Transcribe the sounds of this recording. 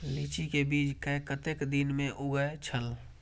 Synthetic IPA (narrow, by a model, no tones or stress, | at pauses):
lit͡ʃikebiːd͡ʒkəekət̪eːkd̪inmẽʔʊɡəet͡ʃʰəl